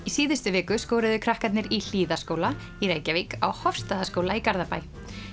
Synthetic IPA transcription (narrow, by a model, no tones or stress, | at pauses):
isiːðɪst̪ʏvɛːkʏskoːwɾʏðʏkʰɾahkat̪nɪɾil̥iːðaskoːwla | iɾeːjcavika̰whɔfst̪aːðaskoːwlaikaɾðapaːj